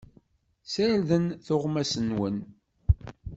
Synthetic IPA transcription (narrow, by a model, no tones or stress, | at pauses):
səɾðənθʊʁmæsənwən